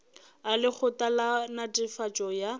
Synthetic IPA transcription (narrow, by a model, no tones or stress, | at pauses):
alɪk͡xʰʊtʼalanatʼɪfat͡ʃʼɔja